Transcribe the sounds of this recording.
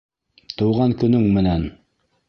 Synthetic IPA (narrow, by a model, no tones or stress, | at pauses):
t̪ʰowʁɑnkʲynɵŋmɘnɛn